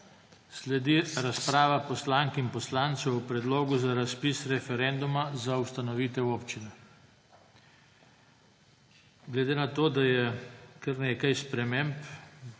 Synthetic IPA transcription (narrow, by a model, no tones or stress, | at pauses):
slɛd̪iɾaspɾaːʋapɔslaːŋkinpɔslaːnt̪sɛwwpɾɛd̪loːɡuzaɾaspisɾɛfɛɾɛːnd̪umazaust̪anɔʋiːt̪ɛwoːpt͡ʃinɛ | ɡlɛd̪eːnat̪oːd̪ajɛkəɾneːkajspɾɛmemp